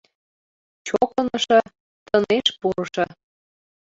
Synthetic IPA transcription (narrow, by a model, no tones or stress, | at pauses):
t͡ɕokɤnɤʃɤ̆ | t̪əneʃpuɾɤʃɤ